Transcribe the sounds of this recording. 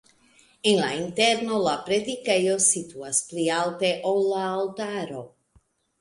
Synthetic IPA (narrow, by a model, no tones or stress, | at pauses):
enlaint̪eɾnolapɾed̪ikejosit̪uasplialt̪eʔolaːlt̪aɾo